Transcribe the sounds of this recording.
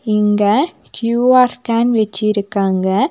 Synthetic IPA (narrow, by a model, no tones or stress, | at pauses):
ɪŋɡɐkjuːaːɾskaːnʋɛt͡ʃːɪjɪɾɯkːaːŋɡɐ